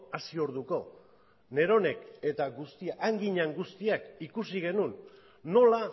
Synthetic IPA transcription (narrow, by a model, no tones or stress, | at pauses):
asio̞ɾðuko̞ | ne̞ɾo̞ne̞ke̞t̪aɡust̪iaʔːŋɡiɲaŋɡust̪iakikusiɣe̞nunː | o̞la